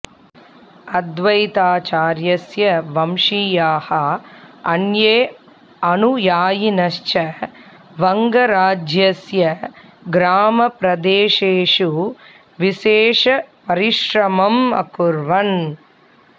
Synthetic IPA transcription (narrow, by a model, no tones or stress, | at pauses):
ɐd̪ʋɐjt̪aːt͡ʃaːɾjɐsjɐʋɐmʃiːjaːhɐɐnjeː | ɐnujaːjinɐʃt͡ʃɐ | ʋɐŋɡɐɾaːd͡ʒjɐsjɐɡɾaːmɐpɾɐd̪eːʃeːʂu | ʋiʃeːʂɐpɐɾiʃɾɐmɐmɐ̰kuɾʋɐn